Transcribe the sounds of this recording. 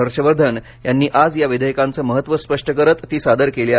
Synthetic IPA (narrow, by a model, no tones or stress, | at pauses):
əɾɕəʋəɾd̪ʱən | janːiːʔad͡zjaʋid̪ʱəjəkãnt͡səːməɦət̪ːʋəspəʂʈəkəɾət̪ːiːsad̪əɾkelia